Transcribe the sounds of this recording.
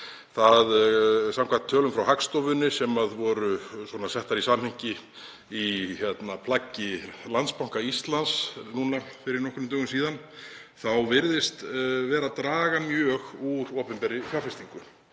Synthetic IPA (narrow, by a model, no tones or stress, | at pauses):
θaðsamkʰvat̪ʰːœːlʏmfɾawɦakst̪ɔvʏnʏsɛmaðvɔːɾʏswɔnasɛht̪aɾisamhɪŋcɪ | içjɛt̪napʰlacːɪlanspaw̥ŋ̥kaist̪lansnunafɪɾɪɾnɔhkʏnʏmt̪œːɣʏms̬iːðan | θawvɪɾðɪst̪vɛːɾat̪ɾaːɣamjœːɣuɾɔːpɪmpɛɾɪfjaːɾfɪst̪iŋkʏ